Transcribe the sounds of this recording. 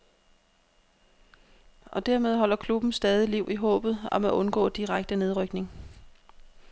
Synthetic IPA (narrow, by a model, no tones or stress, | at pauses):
ʔɒ̽d̥æɐ̰með̞ˠɦɒ̽l̰ɐkʰlub̥n̩sd̥ɛːð̞ˠiliʊ̰iɦɔ̰̽ːb̥ð̞̩ˠɒ̽mæʔɔ̽nɡ̥ɔ̰̽ːd̥iʁaɡ̥̚d̥əne̝ð̞ˠʁœɡ̥ne̝ŋ